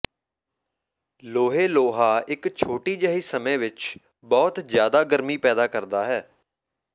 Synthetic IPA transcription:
loːɦeːloːɦaːɪkt͡ʃʰoːʈiːd͡ʒəɦiːsəmẽːʋɪt͡ʃ | bɔːt̪zjaːd̪aːɡəɾmiːpɛːd̪aːkəɾd̪aːɦɛː

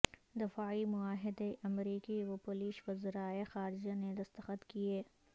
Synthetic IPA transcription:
d̪ɪfaːimʊaːɦɪd̪eʔɐmɾiːkiwɐpoliːʃwɐzɾaːexaːɾɪd͡ʒaned̪ɐst̪ɐxət̪kieː

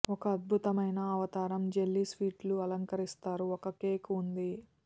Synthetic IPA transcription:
ɔkɐːd̪̚bʱut̪ɐmɐjnɐːʋɐt̪aːɾɐmd͡ʒe̞lːisʋiːʈluɐlɐŋkɐɾist̪aːɾuɔkɐkeːkund̪i

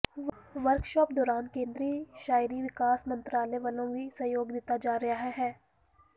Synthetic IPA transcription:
ʋɐɾkʃɔːp̚d̪ɔːɾaːnkẽːnd̪ɾiːʃaːɪɾiʋɪkaːsmɐ̃nt̪ɾaːlɛʋəlõʋisɐjoːɡd̪eːt̪ad͡ʒaːɾɐɦaɦɛɦɛː

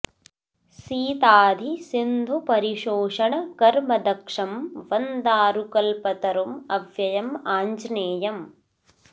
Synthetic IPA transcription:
siːt̪aːd̪ʱisind̪ʱupɐɾiʃoːʂɐɳɐkɐɾmɐd̪ɐkʂɐmʋɐnd̪aːɾukɐlpɐt̪ɐɾumɐʋjɐjɐmaːɲd͡ʒneːjɐm

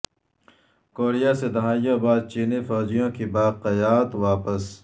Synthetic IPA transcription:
koːɾijaːsed̪ɐɦaːjãbaːd̪̚t͡ʃiːnifɔːd͡ʒijõkibaːqɐjaːt̪waːpəs

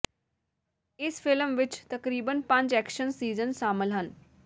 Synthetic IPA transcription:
ɪsfʰɪlmʋɪt͡ʃt̪əkɾiːbənpə̃ɲd͡ʒɛːkʃənsiːzənʃaːməlɦən

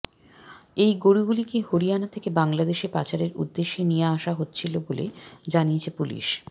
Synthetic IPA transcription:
ejɡoɾiɡulikehoɾijanat̪ʰekebaŋlad̪eʃepat͡ɕaɾeɾṵd̪ːeʃːenijeaʃaɦotːt͡ɕʰilobolḛd͡ʑaniet͡ɕʰepulḭʃ

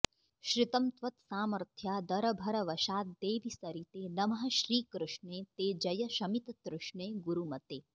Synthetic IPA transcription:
ʃɾɪt̪ɐmt̪ʋɐt̪saːmɐɾt̪ʰjaːd̪ɐɾɐbʱɐɾɐʋɐʃaːt̪̚d̪eːʋisɐɾit̪eːnɐmɐɦɐ̆ʃɾiːkɾuʃɳeːt̪eːd͡ʒɐjɐʃɐmit̪ɐt̪ɾʊʃɳeːɡuɾumɐt̪eː

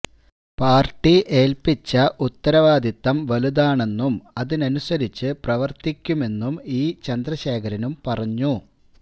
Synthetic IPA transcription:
paːrʈːiʔe̞ːlpit͡ɕːɐʔut̪ːɐɾɐʋaːd̪it̪ːɐmʋɐlud̪aːɳe̞nːumɐðinɐnusɐɾit͡ɕːɨprɐʋɐrt̪ikʲːume̞nːumiːt͡ɕɐnd̪rɐɕe̞ːkʰɐɾɐnumpɐrɐɲːu

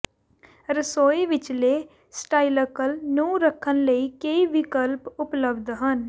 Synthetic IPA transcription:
ɾəsoːeʋɪt͡ʃle | sʈaːɪləkəlnuːɾəkʰːənləikeiʋɪkəlpʊpləbd̪ɦən

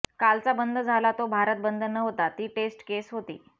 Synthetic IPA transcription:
kalt͡sabənd̪ʱəd͡zʱalat̪obʱaɾət̪̚bənd̪ʱənəɦot̪at̪iːʈesʈkesɦot̪ḭː

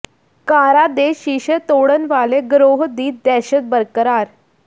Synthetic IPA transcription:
kaɾad̪eɕiɕət̪oɽənʋaleɡɾoɦd̪iːt̪̚d̪ɛɕət̪̚bəɾkəɾaɾ

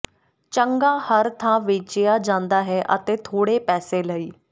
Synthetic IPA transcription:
t͡ɕəŋɡahəɾt̪ʰãʋet͡ɕjad͡ʒãːnd̪aɦɛʔə̰t̪et̪ʰoːɽepɛːseləiː

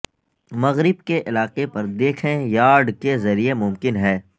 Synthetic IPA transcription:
mɐɣɾɪb̚keʔɪlaːqepɐɾd̪eːkʰẽjaːɾɖkezɐɾiemʊmkɪnɦɛː

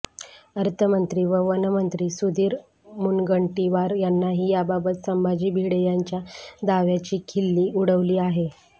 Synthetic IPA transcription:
əɾt̪ʰəmənt̪ɾiːʋəʋənəmənt̪ɾiːsud̪iːɾ | munɡəɳʈiʋaɾjanːaɦiːjababət̪səmbad͡ʑiːbʱiɽəjaɲt͡ɕjad̪aʋjat͡ɕiːkʰilːiːuɽəʋliːaɦe

